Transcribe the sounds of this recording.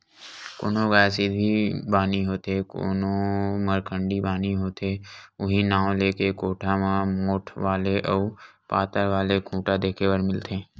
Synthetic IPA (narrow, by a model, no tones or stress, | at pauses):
ko̰ːnõɡaːsid̪̚bʱibaːniɦoːt̪eko̰ːnõməɾkʰə̃ɳɖibaːniɦoːt̪eːʊɦinãːõleːkekoːʈʰamãmoːʈʰʋaːleʔɔːɾpaːt̪əɾʋaːlekʰũːʈad̪eːkʰeʋəɾmɪlt̪ẽː